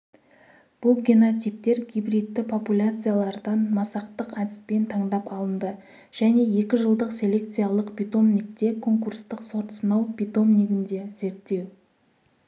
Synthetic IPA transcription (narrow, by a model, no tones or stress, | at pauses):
b̥ʊlˠɡʲenot̪sijp̚t̪e̞ɾɡʲijbɾit̪ːɪpʰo̞pulʲat̪sɨjalˠɑɾd̪ɑnmɑsɑqt̪əqæd̪ɪ̥spe̞nt̪ʰɑɴd̪ɑpɑlˠənd̪ə | ʒ̥æne̞je̞kʲɪʒəlˠd̪əqsʲe̞lʲe̞k̚t̪sɨjalˠəqpʲijt̪o̞mnik̚t̪e̞kʰo̞ŋkurst̪əqso̞ɾt̪sənɑwpit̪o̞mniɡʲɪnd̪e̞z̥e̞ɾt̪ːe̞w